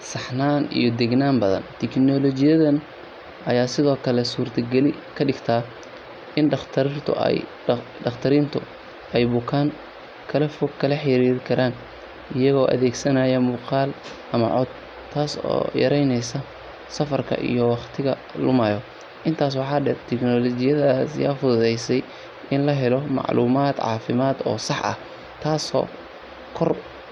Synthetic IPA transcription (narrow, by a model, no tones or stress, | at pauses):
sɑħnaːnḭjɔd̪ɛɡnaːmbɐðɐ̰nt̪ʰɛknɔːlɔt͡ʃɪjɐðɐn | ʔɐjaːsɪðɔːkʰɐlɛsuːrt̪ʰɐɡɛlɪ | kʰɐɖɪɡt̪ʰaː | ɪnɖɑχt̪ʰɐɾrt̪ʰʊ̰j | ɖɑχt̪ʰɐɾint̪ʰʊ | ɛjbʊkʰaːŋ | kʰɐlɐfɔɡkʰːɐlɐħɪɾiːɾɪkʰɐɾʔaːn | ɪjɐɣɔːʔɐ̰ðɛːɡsɐnajɐmuːqɑːl | ʔɐmɐ̰ʕɔd̪ | t̪ʰːaːsɔ̰ːjɐ̰ɾɛjnɛjsɐ | sɐfɐrkʰɐ̰ʔḭjɔwɑχt̪ʰɪɣɐ | lʊmaːjɔ | ʔɪnt̪ʰaːs̬wɑħɑːɖɛrt̪ʰɛknɔːlɔt͡ʃɪjɐðasja̰ːfʊðʊðɛjsɛj | ʔɪnlɐɦɛlɔmɑ̰ʕlʔuːmaːd̪ʕɑ̰ːfɪmaːd̪ɔ̰ːsɑħɐ̰h | t̪ʰaːsɔ̰ː | kʰɔr